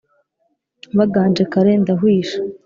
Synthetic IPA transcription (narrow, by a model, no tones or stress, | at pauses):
βaɡaːnd͡ʒekaɾendaɦwiːʃḁ